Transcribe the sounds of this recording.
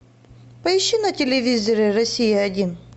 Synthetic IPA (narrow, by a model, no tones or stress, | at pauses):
pɐɪɕːinɐtʲɪlʲɪvʲizəɾʲɪrɐsʲijɐdʲin